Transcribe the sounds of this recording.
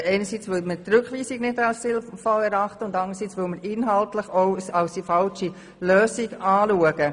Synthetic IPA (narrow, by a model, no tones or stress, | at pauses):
ɛɪnəsit͡sʋɪlmətɾʏkχʋiːsiɡnɪdɑlsɪlfɑlɛɾɑχtəʊndɑndəɾsiːt͡sʋɪlməɾɪnɦɑltləχoʊɑʊsd̥ifɑlʃi | løːsiɡɑːluəɡ̥ə